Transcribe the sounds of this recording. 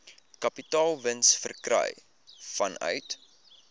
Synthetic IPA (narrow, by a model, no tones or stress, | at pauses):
kɐpitɑːlˠvənsfə̰rkrœ̰j | fɐnœ̰ɥt